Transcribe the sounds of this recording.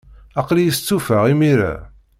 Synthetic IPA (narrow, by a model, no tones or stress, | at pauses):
ɑqlijəst͡sːufəʁimiɾa̰